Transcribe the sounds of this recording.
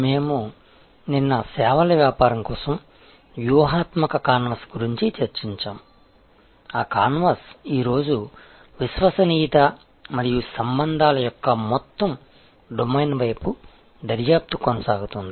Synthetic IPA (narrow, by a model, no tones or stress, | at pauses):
me̞ːmu | ninːɐsɛːʋɐlɐʋjaːpaːɾɐŋkɔːsɐm | ʋjuʋɐɦaːt̪mɐkɐkaːnʋɐsɡuɾiɲt͡ʃit͡ʃɐɾt͡ʃiɲt͡ʃa̰ːm | aːkaːnʋɐsiːɾo̞ːd͡ʒu | ʋisʋɐsɐniːt̪ɐ | mɐɾijusɐmbɐnd̪ʱaːlɐjɔkːɐmɔt̪ːɐm | ɖomɐjnʋɐjpu | d̪ɐɾjaːp̚t̪ukɔnɐsaːɡut̪und̪i